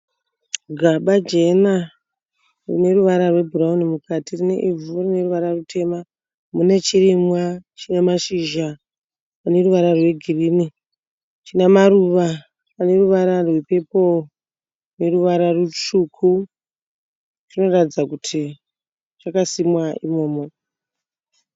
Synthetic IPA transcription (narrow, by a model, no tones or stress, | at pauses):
ɡʱaɓad͡ʒe̞na | rine̞ruʋaɾarwe̞bʱuɾaunimukʰatirine̞̰ʔivurine̞ruʋaɾarutʰe̞ma | mune̞t͡ʃirimwat͡ʃinemaʃiʒa | pane̞ruʋaɾarwe̞ɡʱirini | t͡ʃinemaɾuʋa | ane̞ruʋaɾarwepe̞po̞ | ne̞ɾuʋaɾarut͡ʃukʰu | rino̞ratid͡zakutʰi | t͡ʃakasimwaimo̞ːmo